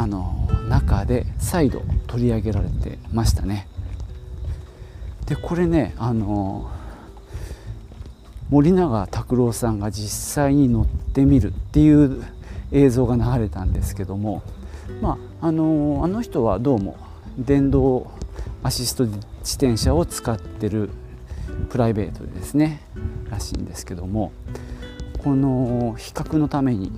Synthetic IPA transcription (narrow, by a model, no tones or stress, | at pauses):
ano̞̰nakad̪e̞said̪o̞̰t̪o̞ɾʲiaɡe̞ɾaɾe̞t̪e̞̰maɕi̥t̪ane̞ | d̪̥e̞kʰo̞ɾe̞ne̞ano̞ | mo̞ɾʲinaɡat̪akɯ̟ɾo̞ːsãŋɡad͡ʑisːaiɲ̟ino̞t̪ːe̞mʲiɾɯ̟t̪ːe̞jɯ̟ː | e̞ːzo̞ːɡanaɣaɾe̞t̪ãnd̪e̞sɨ̥ke̞d̪o̞mo̞maː | no̞ano̞çi̥t̪o̞β̞ad̪o̞ːmo̞̰ | d̪ẽ̞nd̪o̞ː | aɕisɨ̥t̪o̞d̪ed͡ʑi̥t̪ẽ̞ɰ̃ɕao̞t͡sɨ̥kat̪ːe̞ɾɯ̟ | pɯ̟ɾaibe̞ːt̪o̞̰d̪e̞̰sɨne̞ɾaɕḭ̃ːnd̪e̞sɨ̥ke̞d̪o̞mo̞ | ko̞no̞çi̥kakɯ̟no̞t̪ame̞ɲ̟ḭ